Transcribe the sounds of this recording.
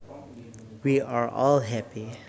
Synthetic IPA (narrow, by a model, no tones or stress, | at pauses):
wiaɹɔ̰lɦæpi